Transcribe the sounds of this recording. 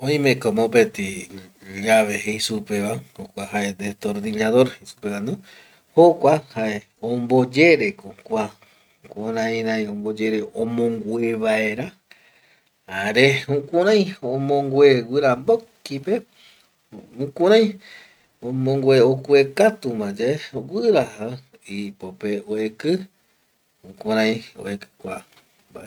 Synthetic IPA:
õj̃mẽkomopet̪i | d͡ʒaβeɦeisupeβahokʷaɦaʔed̪et̪oɾd̪inaðoɾisu̥pekãnd̪u | hokʷahaʔe | õmbo̞d͡ʒe̞ɾekokʷa | kʷuɾãj̃ɾajõmbo̞d͡ʒe̞ɾeõmõŋɡʷweβaeɾa | aɾeũkuɾãj̃õmõŋɡwʷewɨɾambokipe | ũkũɾãj̃ | õmõŋɡweokuekat̪umãd͡ʒaowɨɾaha | ipopeoekɨ | ũkũɾ̃ãj̃o̰ekɨ̥kʷa | mbae

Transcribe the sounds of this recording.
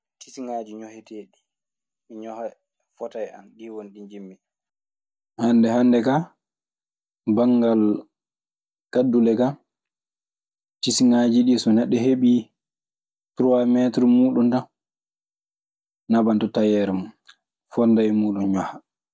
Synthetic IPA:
tisiŋad͡ʒiɲɔhɛteɗi | miɲɔha | fɔtaja̰nɗiwonɗiɲd͡ʒimːi | hanːdɛhandɛka | baŋɡal | kadːulɛka | tisiŋad͡ʒiɗisɔnɛɗːɛɦeɓi | tɾuwamɛtɾɔmuːɗunta | nabantɔtajɛɾɛmu | fɔndajmuːɗunɲɔha

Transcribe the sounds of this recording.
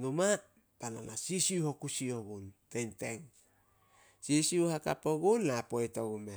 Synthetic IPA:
numa | tana̰nasisiuho̞kusio̞ɡuntente̞ŋ | sisiuhaka̰po̞ɡunlapojto̞ɡume

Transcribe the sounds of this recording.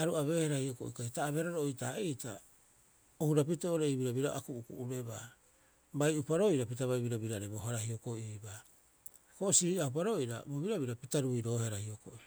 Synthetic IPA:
aɾuaβe̞ːheɾahioko̰ʔḭkajtaːβeɾoɾoojtaejta | ohuɾap̬iteoɾeibiɾaβiɾaʔa̰kuukṵuɾe̞ba | bajupaɾo̞iɾapitaβajβiɾabiɾaɾebohaɾahioko̞iiba | koʔsiɾiaup̬aɾo̞iɾa̰boβiɾaβiɾapitaɾuiɾo̞ːheɾahioko̰ʔi

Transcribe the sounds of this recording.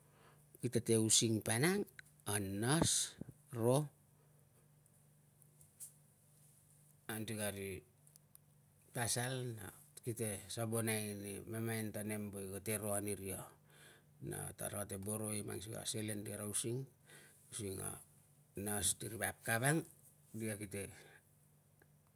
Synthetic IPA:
kitate̞usiŋpanaŋ | anːas | ɾo | antiɡaɾi | tasalna̰kitesabonajnimemajntane̞mbojɡate̞ɾo̞aniɾia | na̰ta̰ɾatebo̞ɾo̞ima̰ŋs̬iɡa̰selendiaɾawsiŋ | usiŋa̰ | nastiɾibap̚kaβaŋ | diakite̞

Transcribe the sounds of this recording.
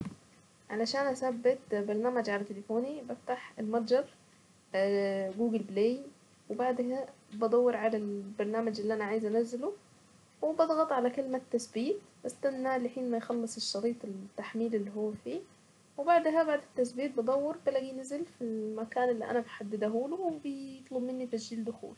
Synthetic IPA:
ʕalaʃaːnʔasabːɪt̪bɑɾˤnaːmad͡ʒʕalæt̪elefoːnibaft̪aħelmɑt̪ˤd͡ʒɑɾˤ | ɡuːɡɪlbleːj | wɪbaʕd̪ɦæbɑd̪ˤɑwːɑɾˤʕalalbɑɾˤnaːmad͡ʒɪlːiʔænaʕaːjɪzʔænazːɪlo | wɪbɑd̪ˤɣɑt̪ˤʕalækelmat̪ːasbiːt̪ | bast̪anːalɪħiːnmajxɑlːɨsˤeʃːɑɾiːt̪ˤelt̪ːaħmiːlelːiɦowːæfiː | webaʕd̪ɦæbaʕd̪ɪt̪ːasbiːt̪̚bɑd̪ˤɑwːɑɾˤbalaɡijnazɪlfilmækaːnɪlːiʔæ̰næbħad̪ːɪd̪aɦuːlowebjt̪ˤlobmɪnːit̪asd͡ʒiːld̪ʊxṵːl

